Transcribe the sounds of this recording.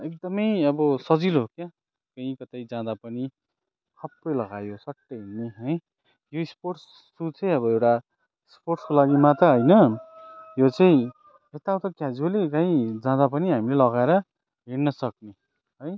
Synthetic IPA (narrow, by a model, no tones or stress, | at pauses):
ek̚d̪ʌmʌjʌbʌsʌd͡zilokja | kʌĩkʌt̪ajd͡zãd̪apʌni | t̪ʰʌpːʌjlʌɡajosʌʈːʌɦenːeɦʌj | joisporsː | ut͡sʌĩʌβʌewʈa | sporʈskolaɡimat̪ʌɦʌjnʌ | jot͡saĩ | ɦet̪awt̪ʌkjad͡zolekaĩd͡zãd̪ap̬ʌniɦamilelʌɣaeɾʌ | ɦeɽnʌsʌk̚ne | ɦʌj